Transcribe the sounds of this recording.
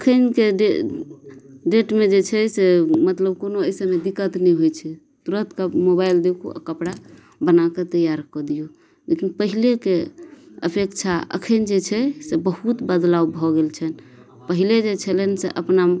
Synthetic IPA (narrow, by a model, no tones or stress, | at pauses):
əkʰənkeɖe | ɖeʈmed͡ʒet͡ʃʰɛsemət̪ləb̚konoəjsəmed̪ikət̪nɛjɦojt͡ʃʰɛ | t̪uɾət̪kamobaild̪ekʰṵa̰kəpɽa | bənaket̪əjaɾkɔd̪ijo | lekinpəɦilekeə̰pʰekt͡ʃʰaə̰kʰənd͡ʒet͡ʃʰɛsebəɦut̪bəd̪lawbʱɔɡelt͡ʃʰən | pəɦiled͡ʒet͡ʃʰɛlenseʔəpna